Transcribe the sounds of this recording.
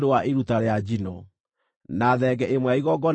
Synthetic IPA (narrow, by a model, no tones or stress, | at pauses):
ɾewaʔiɾutaɾead͡ʒinɔ | naðɛɡɛʔemwɛaiɣɔɡɔ